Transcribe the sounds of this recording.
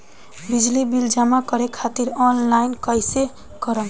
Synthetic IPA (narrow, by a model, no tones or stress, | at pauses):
bid͡ʒlibild͡ʒamakʌɾekʰat̪iɾɔnlajnkʌjse | kʌɾəl